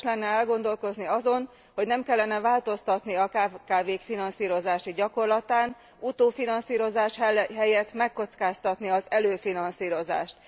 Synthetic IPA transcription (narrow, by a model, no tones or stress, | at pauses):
lɛnːɛɛlɡo̞nd̪o̞lko̞zniɒzo̞n | ho̞ɟnɛmkɛlːɛnɛvaːlt̪o̞st̪ɒt̪niɒkakaːveːkfinɒnsiːɾo̞zaːʃiɟɒko̞rlɒt̪aːn | ut̪oːfinɒnsiːɾo̞zaːʃɦɛjɛt̪mɛkːo̞t̪skaːst̪ɒt̪niɒzɛløːfinɒnsiːɾo̞za̰ːʃt̪